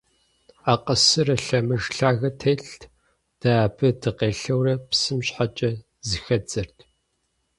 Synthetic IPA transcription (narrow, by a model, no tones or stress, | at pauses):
aːqəsɨrɐɬɐmɨʒɬaːɣɐtʰeːɬʰ | d̥abʰɨdʰɨqeːɬɐwrɐpsɨmɕħat͡ʃʼɐ | zɨxɐd͡zʼɐrtʰ